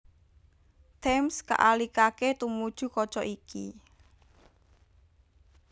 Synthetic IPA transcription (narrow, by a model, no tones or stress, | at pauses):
t̪ɛmska̰ʔalikaket̪umud̥ʒ̥ṳkɔt͡ʃɔʔikʰi